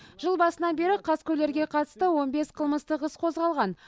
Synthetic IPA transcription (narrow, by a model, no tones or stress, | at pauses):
ʒ̥əlˠbɑsənɑnbe̞ɾɪqʰɑskʲʰɵle̞ɾɡʲe̞qʰɑt̪ə̥st̪əwo̞nbe̞sqʰəlˠməst̪əqəsqʰo̞zʁɑlˠʁɑn